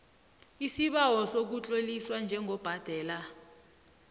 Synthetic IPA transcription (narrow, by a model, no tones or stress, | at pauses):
isiɓawɔsok̬ut͡ɬʼoliswand͡ʒʱɛŋʱɔb̥ʱad̥ʱɛːla